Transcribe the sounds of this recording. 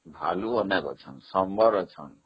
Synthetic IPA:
bʱa̰luʌnakɔ̰t͡sʰʌnsʌmbʱʌɾʌt͡sʰʌ̰n

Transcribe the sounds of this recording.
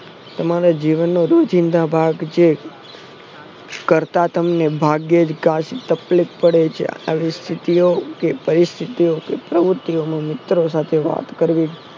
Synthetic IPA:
t̪əmaɾad͡ʒiʋənːoɾod͡ʒind̪abʱaɡd͡ʒe | kəɾt̪at̪əmnebʱaɡjed͡ʒkaʃit̪əplik̚pəɽet͡ʃʰḛa̰ʋist̪ʰit̪iokepəɾɪst̪ʰit̪iokepɾəʋʊɾt̪iomãmɪt̪ɾos̬at̪ʰeʋa̰t̪kəɾʋi

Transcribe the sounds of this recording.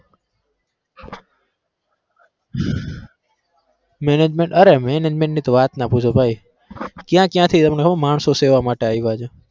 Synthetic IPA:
mɛned͡ʒmeɳʈəɾemɛned͡ʒmẽɳʈnit̪oʋat̪napũt͡ʃʰobʱai | kjãkjãt̪ʰit̪əmnekʰəmaɳsoseʋamaʈeaiʋad͡ʒe

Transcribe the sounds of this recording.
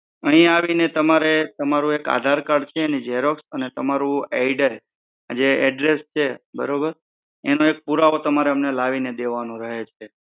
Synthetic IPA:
əɦĩaʋinet̪əmaɾet̪əmaɾũeka̰d̪ʱaɾkaɖt͡ʃʰeːnid͡ʒɛɾoksənet̪əmaɾũɛiɖaj | a̰d͡ʒeɛɖɾest͡ʃʰebə̰ɾobəɾ | enoek̚puɾaot̪əmaɾeəmnelaʋined̪eʋanũɾəɦet͡ʃʰe

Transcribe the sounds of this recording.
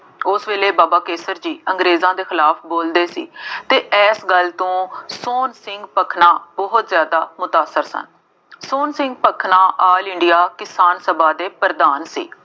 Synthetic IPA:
ʊsʋeːleːbaːbaːkeːsəɾd͡ʒiːəŋɡɾeːzãːd̪eːxɪlaːpʰboːld̪eːsḭːt̪eːʔɛːsɡəlt̪õːsoːnsɪŋɡpəkʰnãːbɔɦʊt̪zjaːd̪aːmʊt̪aːsəɾsə̰n | soːnsɪŋɡ̚pəkʰnãːʔaːlɪɳɖɪjaːkɪsaːnsəbaːd̪eːpəɾd̪aːnsḭː

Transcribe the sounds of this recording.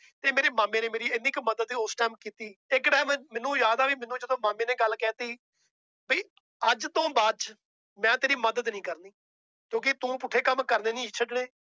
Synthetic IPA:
t̪eːmeːɾeːmaːmẽːnẽːmeːɾiːɪniːkməd̪əd̪iːosʈɛːmkiːt̪iːɪkɖɛːmmɛːnũːjaːd̪aːbiːmɛnũːd͡ʒəd̪õːmaːmẽːneːɡəlːkɛːt̪iː | biː | əd͡ʒt̪õːbad͡ʒ | mɛ̃ːt̪eːɾiːməd̪əd̪nĩːkəɾniː | kjõːk̬ɪt̪ũːpuːʈʰːeːkəmkəɾneːnĩːt͡ʃʰəɖɽeː

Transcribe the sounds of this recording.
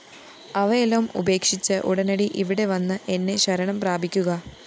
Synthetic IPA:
ɐʋɐelɐmṵbe̞ːkʂit͡ɕːɨʔuɽɐnɐɽiʔiʋiɽe̞ʋɐnːɨʔe̞nːe̞ɕɐɾɐɳɐmpraːbʱikʲːuɣɐ

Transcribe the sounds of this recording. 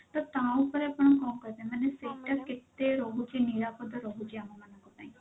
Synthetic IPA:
t̪aːt̪ãːʊpːəɾəpɳ̃ãːkɔːmkəɾd̪ẽːmɛ̃ːneseːʈaːkɪt̪ːeːɾoːɦt͡ʃeniːɾaːpəd̪aɾoːɦd͡ʒaːmamənãkəpã̰ːĩː

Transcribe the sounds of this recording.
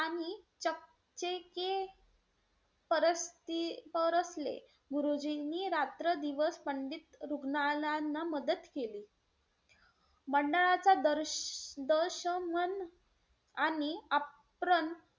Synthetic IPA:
aɽ̃it͡ɕək̚ | t͡ɕeke | pəɾəst̪ipəɾəslḛ | bʱuɾud͡ʑiniɾat̪ɾəd̪iʋəspəɳɖit̪ɾuɡnalanːaməd̪ət̪keliː | məɳɖəɭat͡sad̪əɾd̪əɾɕəmən | ania | pɾən

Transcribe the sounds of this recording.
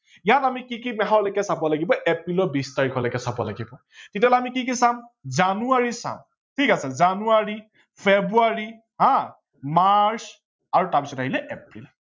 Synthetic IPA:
jatamikikimɛɦaɹlɔkɛsabualaɡibɔʔepɹilɔbistaɹikʰɔlɔjkɛsabɔ̰la̰ɡibɔ | titalamikik̬isamzanuaɹisa̰m | tʰikasɛzanuaɹi | pʰebuaɹi | ɦã | mas | aɹutaɹpisɔtaɦilɛʔɛpɹḭl

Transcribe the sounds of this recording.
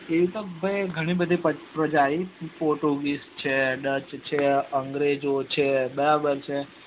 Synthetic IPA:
eʋit̪obʱəjɡʱəɽ̃ĩbəd̪ʱipəpɾəd͡ʒaipoɾʈuɡist͡ʃʰeɖət͡ʃt͡ʃʰeəŋɡɾed͡ʒot͡ʃʰebəɾabəɾt͡ʃʰe

